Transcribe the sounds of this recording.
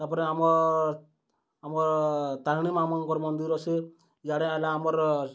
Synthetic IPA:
t̪aɾpɔɾeamɔ | amɔɾt̪aɾɽ̃imamɔnkɔɾmɔnd̪iɾɔt͡ʃʰe | d͡ʒaɽẽalaːmɔɾ

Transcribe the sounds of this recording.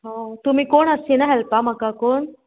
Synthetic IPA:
ɦãt̪um̤iːkoɳəsenaɦɛlpamakakoːɳ

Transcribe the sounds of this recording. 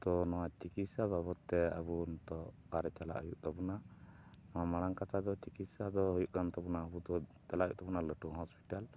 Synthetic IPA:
t̪ɔnɔwat͡ʃikit̪sababɔt̪ːɛa̰bunt̪ɔkaɾɛt͡ʃala̰ʔujuʔt̪ɔbɔnaʔnɔwamaɽaŋkat̪ʰad̪ɔt͡ʃikit̪sad̪ɔɦujuʔkant̪ɔbunaəbut̪ɔt͡ʃalajuʔt̪ɔbunaləʈuɦɔspi̥ʈal

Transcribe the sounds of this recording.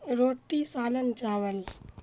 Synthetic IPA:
ɾoːʈːisaːlənt͡ʃaːʋəl

